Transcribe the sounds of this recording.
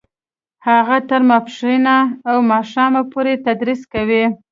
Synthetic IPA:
haɣat̪əɾmapʃinaːwmɑʃɑmapoɾet̪ad̪ɾiskawi

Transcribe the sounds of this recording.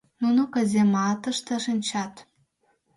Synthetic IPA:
nunokə̆zemɑt̪ə̆ʃt̪ĕʃinʲt͡ɕɑt̪

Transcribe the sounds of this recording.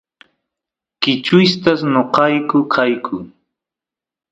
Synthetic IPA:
kɪt͡ʃʊst̪asnoqɑjkʊkʰajkʰʊ

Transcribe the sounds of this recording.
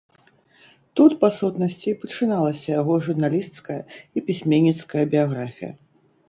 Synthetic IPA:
t̪ut̪pasut̪nɐsʲt͡sʲipɐt͡ʂɨnalˠɐsʲɐjaɣɔʐurnalʲist̪skɐjɐipʲisʲmʲenʲːit̪skɐjɐbʲijaɣɾafʲḭjɐ̰

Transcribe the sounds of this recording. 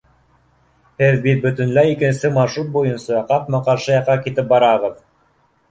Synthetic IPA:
hɘðbit̪̚bɵ̆t̪ɘ̆nlæjikɘ̆nsɘmɑɾʃɾut̪̚bujɤ̆nsɑqɑpmɑqɑɾʃɤ̆jɑqːɑkit̪ɘp̚bɑɾɑʁɤð

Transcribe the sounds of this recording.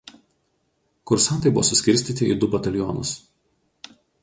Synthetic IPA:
kʊɾsɑˑnt̪ɐɪbʊʋo̰ɔ̰ːsʊsʲkʲɪɾʲsʲt̪ʲiːˑt̪ʲɪḭd̪ʊbɐt̪ɐlʲjɔːnʊ̰s

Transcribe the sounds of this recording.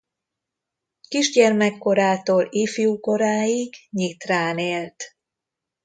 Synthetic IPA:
kiʒɟɛrmɛkːo̞ɾaːt̪oːliːfiuko̞ɾaːjiɡɲit̪raːneːlt̪

